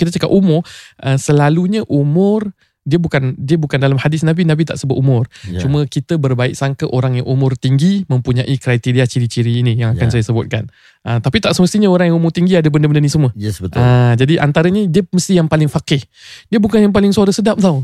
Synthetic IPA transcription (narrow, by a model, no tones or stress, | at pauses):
kit̪ət͡ʃaka̰p̚umʊrʔəsəlaluɲəʔumʊr | diəbukandiəbukandalamhadɪsnabinabit̪a̰ʔsəbʊt̪umʊrt͡ʃumə̃kit̪əbərbaɪk̚saŋkəʔoɾaŋjaŋʔumʊrt̪iŋɡimə̃mpuɲaʔikɾajt̪iɾiat͡ʃiɾit͡ʃiɾiːnijaŋaansajasəbʊt̪̚kan | ʔət̪apit̪aʔsəməst̪iɲəoɾaŋjaŋumʊrt̪iŋɡiadəbəndəbəndənisəmuəjɛsbət̪ʔad͡ʒadiʔant̪aɾəɲədiəməst̪ijaŋpalɪŋfakɪh | diəbukanjaŋp̬alɪŋsuaɾəsədap̚t̪aw